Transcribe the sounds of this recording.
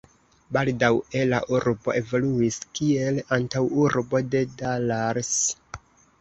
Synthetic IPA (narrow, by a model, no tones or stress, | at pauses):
baldawe̞la̰ʔuɾbo̞ʔe̞vo̞luiskielantawuɾbo̞de̞dalaɾs